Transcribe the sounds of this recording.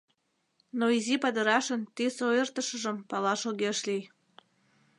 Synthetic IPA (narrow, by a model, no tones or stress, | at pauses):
noizipɑd̪əɾɑʃənt̪isoert̪əʃəʒəmpɑlɑʃoɣeʃlij